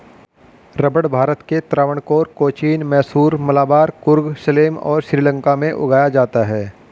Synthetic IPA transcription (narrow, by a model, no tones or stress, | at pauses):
ɾɐbəɽbʱaːɾət̪ket̪ɾaːʋəɽ̃koːɾkoːt͡ʃiːnmɛːsuːɾmɐlaːbaːɾkʊɾɡʃɪleːmɔ̰ːɾʃɾiːlə̃ŋkamẽʔʊ̰ɡaːjad͡ʒaːt̪aɦɛː